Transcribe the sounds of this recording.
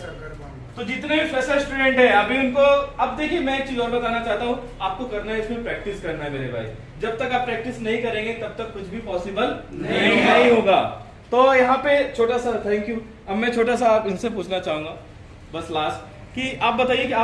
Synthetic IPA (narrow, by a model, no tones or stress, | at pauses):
t̪od͡ʒɪt̪nebifɛːsasʈuːɖɛ̃ɳʈɦɛ̃ɐbʱiʊnkoɐbd̪eːkʰiemɛ̃eːk̚t͡ʃiːzɔːɾbɐt̪aːnat͡ʃaːɦt̪aɦũ | aːp̚kokɐɾnaɦɛɪsmẽpɾɛːk̚ʈɪskɐɾnaɦɛmeːɾebʱa̰ːi | d͡ʒɐb̚t̪ɐkaːpːɾɛːk̚ʈɪsnɐɦĩkɐɾẽːŋɡet̪ɐb̚t̪ɐkːʊt͡ʃʰbʱipɔːsɪbəlnĩɐɦĩɦoːɡaː | t̪oːjɐɦãpet͡ʃʰoːʈasat̪ʰɛ̃ːŋkju | ɐbmɛ̃t͡ʃʰoːʈasaːpɪnsep̬uːt͡ʃʰnat͡ʃaːɦũːŋɡa | bɐslaːsʈ̚ | kiaːp̚bɐt̪aːiekiaː